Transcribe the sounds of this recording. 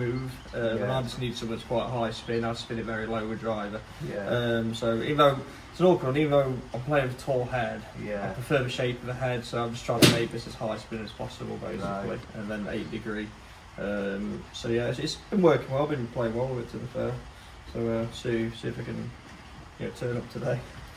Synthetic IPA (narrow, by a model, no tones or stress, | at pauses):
mʉːv̥ʌmə̃naɪ̃d͡ʒʌsniːd̥sʌ̃məðətskʰw̥aɪʔɦaɪspɪ̃naɪvd͡ʒʌsfɪ̃nɪtvɛɹiloʊwədɹaɪvə | jʔʌ̃msoʊḭːvən̩ðoʊ | ɪsə̃nɔˑkʰɹə̃niːvən̩ðoʊãɪ̃mpʰl̥eɪɪ̃ŋtʰɔːlˠhɛd̥aɪpʰəfɜːməʃeɪpəvðəɦɛd̥soʊaɪvd͡ʒʌstʰɹ̥aɪ̃ntʰəmeɪk̚ðɪsəz̥haɪspɪ̃nəz̥pʰɒ̰səbə̰lˠbḛɪsɪlḭʔə̃nðə̃nḛɪʔd̥ɪɡɹiː | ʔʌ̃msoʊjæɪtsɪtsb̥ɪ̃nwɜˑkɪ̃ŋwlaɪvbɨ̃npʰl̥eɪɪ̃ŋɔːlˠəvɪtʰəðəfɜː | soʊəsʉsʉfəkə̃n | jnæ̰tʰɜːnʌp̚tʰədeɪ